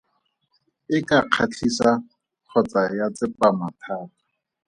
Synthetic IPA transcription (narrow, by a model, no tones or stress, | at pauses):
ɪkʼaq͡χʰat͡ɬʰisa | q͡χʰɔt͡sajat͡sɪpamatʰaːka